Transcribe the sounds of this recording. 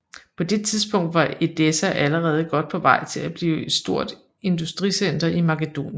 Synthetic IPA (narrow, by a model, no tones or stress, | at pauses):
pʰɒ̽d̥e̝t͡sʰiðˠsb̥ɔ̽ŋ̰d̥ʋɑ̈e̝d̥esæʔæləʁɛːð̞̩ˠɡ̥ɒ̽d̥̚pʰɒ̽ʋɑ̈ɪ̰t͡sʰe̝læb̥liːʊe̝d̥sd̥o̝ɐ̰d̥ | e̝nd̥usd̥ʁisen̰d̥ɐʔimɑ̈kəd̥o̝̰ːnj